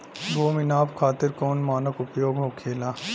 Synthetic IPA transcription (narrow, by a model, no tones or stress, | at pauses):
ɡoːmɪnaːpkʰaːt̪ɪɾkɔːnmaːnəkʊpjoːɡɦoːkʰeːlaː